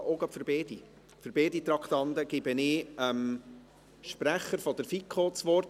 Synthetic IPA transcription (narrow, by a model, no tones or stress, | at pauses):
ʔoːɡɑpfəɾbeːd̥i | fəɾbeːdit̪rɑkt̪ɑnd̪əɡ̥ɪbənɪəm | ʃpɾæχːəɾfɔd̥̪əɾfikʰχot͡sʋɔrt